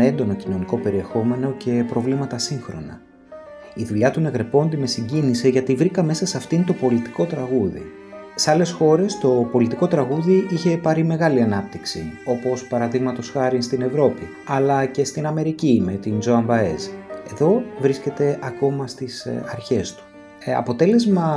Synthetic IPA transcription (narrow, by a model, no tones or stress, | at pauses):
e̞nd̪o̞no̞cino̞niko̞pe̞ɾie̞xo̞me̞no̞ce̞pɾo̞vlimɐt̪ɐsiŋxɾo̞̰nɐ̰ | iðuʎɐt̪une̞ɣɾe̞po̞nd̪ime̞siɲɟinise̞ʝɐt̪ivɾikɐme̞sɐsɐft̪int̪o̞po̞lit̪i̥ko̞t̪ɾɐɣuðḭ | seɐle̞sxo̞ɾe̞st̪o̞po̞lit̪iko̞t̪ɾɐɣuðiʔiçe̞pɐɾime̞ɣɐliɐnɐp̚t̪iksio̞po̞spɐɾɐðiɣmɐt̪o̞sxɐɾinst̪ine̞vɾo̞pi | ɐlɐce̞st̪inɐme̞ɾicime̞t̪ind͡zo̞ɐmbɐeze̞ðo̞vɾisce̞t̪e̞ʔɐko̞mɐst̪isɐɾçe̞st̪u̥ | ɐ̰po̞t̪e̞le̞zmɐ